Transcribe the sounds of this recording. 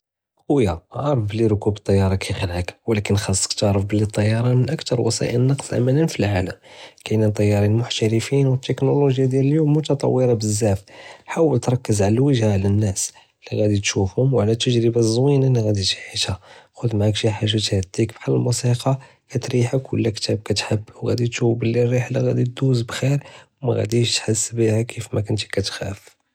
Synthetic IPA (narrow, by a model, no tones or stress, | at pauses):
ʊjaʕɑɾˤfbəlːiɾkubət̪ˤːɑjːɑɾˤɑkʰæjxəlʕəkwlækənxɑsˤːə̥kt̪əʕɾəfbəlːit̪ˤːɑjːɑɾˤɑmənʔəkt̪ɑɾˤwɑ̰sˤḭʔə̰nːɑqsˤʔæ̰mæninfilʕaləmkænænt̪ˤɑjːɑɾˤinmʊħt̪æɾəfinwət̪ːəknuluʒjad̪jæləljumːʊt̪ɑt̪ˤɑ̰wːəɾˤɑbəzːæfħawəlt̪ɾˤɑkːəzʕaləwəʒaʕlænːæs | liɣæd̪it̪ʃufhʊmwʕlæt̪əʒɾəbazˤwinalːiɣæd̪it̪i̥ħit̪æxʊd̪maʕakʒiħaʒæt̪hæd̪ikbħaləlmusiqɑ | kæt̪ɾiħəkwə̰lːækt̪æb̚kæt̪ħəbːwɣæ̰d̪it̪ʃufbəlːirːiħlaɣæd̪it̪̚d̪uzbxiɾwmæ̰ɣæ̰d̪iʃt̪ħəsːbihakʰːifmækʊnt̪i̥kæt̪xæ̰f